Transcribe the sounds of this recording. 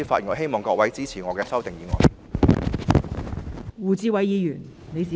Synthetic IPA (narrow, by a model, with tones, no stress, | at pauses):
i˧˥faː˧jŋɔː˨˧˥ɦe˥jmɔː˨ŋkɔː˧k̚wɐ˨˥jt͡siː˥t͡sʰiː˨˩ŋɔː˨˧kɛː˧sɐ˥wt̪e˨ŋjiː˨˦ŋɔ̰ː˨˧j | wuː˨˩t͡siː˧wɐ˨˥jiː˨˧jyː˨˩n | ne˨˧jsiː˨